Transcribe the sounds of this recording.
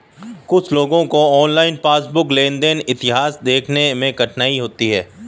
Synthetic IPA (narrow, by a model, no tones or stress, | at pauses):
kʊt͡ʃʰloːɡõkoɔːnlaːɪnpaːsbʊklẽːnd̪enɪt̪ɪɦaːsd̪eːkʰnemẽkɐʈʰnaːiɦoːt̪iɦɛː